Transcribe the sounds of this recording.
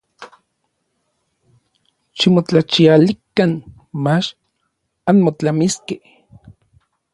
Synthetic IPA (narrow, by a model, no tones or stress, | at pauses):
ʃimot͡ɬat͡ʃialikan | mat͡ʃ | anmot͡ɬamiske